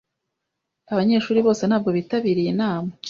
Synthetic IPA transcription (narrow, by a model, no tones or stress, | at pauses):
aβaɲe̞ːʃuːɾiβo̞ːse̞nhaːb̚ɡo̞βitaβiɾijenaːmo